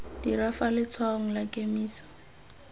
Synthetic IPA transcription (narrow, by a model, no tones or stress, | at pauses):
d̥irafalɪt͡sʰwaŋ̩lakʼemiːsɔ̥